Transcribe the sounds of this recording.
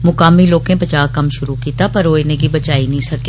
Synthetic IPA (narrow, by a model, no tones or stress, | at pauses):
mʊkaːmiloːkẽpɐt͡ʃaːɦkɐmʃʊɾukiːt̪apɐɾoːenẽkibɐt͡ʃaːinɐĩsɐke